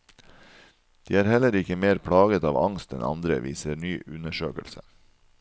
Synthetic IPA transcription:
d̪̥iːæːɾhɛləɾɪkəmeːɾpʰɽɑːɡət̪ɑːʋɑŋst̪ɛnɑ̰nd̪ɾə̰ʋiːsəɾnyːʔʉnəʃøːkə̰lsə

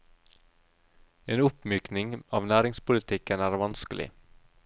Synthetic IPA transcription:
eːnʊpmyːknɪŋɑːʋnæːɾɪŋspʊlɪt̪ʰɪkənæːɾʋɑnskəlɪ̰

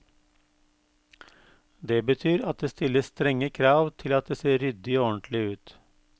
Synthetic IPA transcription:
d̪eːbət̪ʰyːɾɑt̪̚d̪eːst̪ɪləst̪ɾɛŋəkʰɾɑːʋt̪ʰɪlɑt̪̚d̪eːseːɾʏd̪ɪoɔnt̪ʰlɪʉːt̪

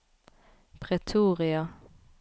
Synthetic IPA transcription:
pʰʁɛt̪ʰuːʁɪɑ

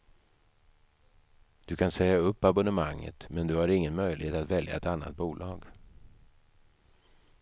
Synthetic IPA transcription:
d̪̥ɵkʰansɛjaɵpːabʊnəmaŋːə̰t̪mɛnd̪ɵhaɾɪŋːənmœjlɪheːt̪at̪vɛlja̰ɛt̪anːa̰t̪̚buːlɑːɡ

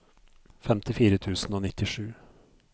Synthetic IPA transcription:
fɛmt̪ɪfiːɾət̪ʰʉːsn̩oːnɪt̪ːɪʂʉː

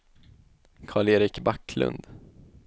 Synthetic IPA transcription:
kʰɑːɭeːɾɪkbakʰːlɵ̰nd̪̥

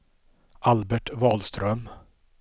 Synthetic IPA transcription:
ʔalbɛʈvɑːlst̪ɾœm

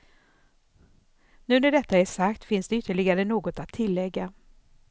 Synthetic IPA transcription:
nʉ̟ːnæɖɛt̪ʰːaæʂakt̪fɪnsd̪ɛʏt̪ːəɭɪɡaɾənoːɡɔt̪at̪ʰːɪlːɛɡːa

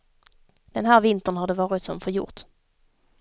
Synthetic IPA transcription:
d̪̥ɛnɦæːɾvɪnt̪əɳhaɖɛvɑːɾɪt̪sɔmfœɾjʊ̰ːɾt̪

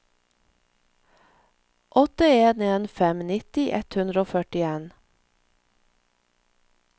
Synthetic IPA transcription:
ʔɔt̪əeːneːnfɛmnɪt̪ɪʔɛt̪hʉnd̪ɾəoːfœʈɪeːn

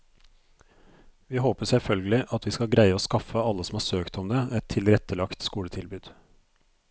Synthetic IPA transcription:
ʋiːhoːpəsɛfœlɡəlɪʔɑt̪ʰʋiːskɑlɡɾæɪəoːskɑfəɑləsɔmhɑːsøːkt̪ɔmd̪ɛɛt̪ʰːɪlɾɛt̪əlɑkt̪skuːlət̪ʰɪlbʉːd̪̥

